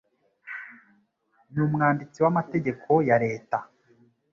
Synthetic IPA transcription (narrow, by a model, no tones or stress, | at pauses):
nuːmŋaːndit͡siwamate̞ɟe̞kʰo̞jaɾe̞ːta